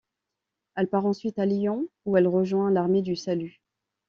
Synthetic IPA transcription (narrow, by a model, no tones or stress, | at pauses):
ɛlpaʁɑ̃sɥit̪aljɔ̃uɛlʁəʒwɛ̃laʁmed̪ysaly